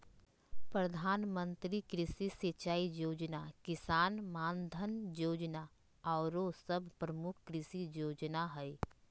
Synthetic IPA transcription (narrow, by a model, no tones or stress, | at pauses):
pɾɐd̪ʱaːnmə̃nt̪ɾikɾɪsiset͡ʃaːijoːd͡ʒnakɪsaːnmãːnd̪ʱənjoːd͡ʒna | ɔːɾosəbʱpɾɐmʊk̚ʰkɾɪsijoːd͡ʒnaɦɛe